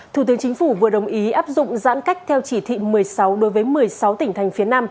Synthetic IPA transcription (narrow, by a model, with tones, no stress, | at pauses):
t̪ʰu˧˩t̪ɨ˨˦əŋt͡ɕï˨˦ŋ̟fu˧˩vɨ̰˨˩əɗə˨˩wŋ͡mʔi˨˦ʔaː˦˥p̚zʊ̰˧˨ŋ͡mza̰ː˧˥nka˦˥jk̚t̪ʰɛ˧wt͡ɕi˧˩t̪ʰḭ˧˨mɨ˨˩əjsa˨˦wɗo˨˦jvəː˨˦jmɨ˨˩əjsa˨˦wt̪ï˧˩ŋ̟t̪ʰa˨˩ŋ̟fi˨˦ənaː˧m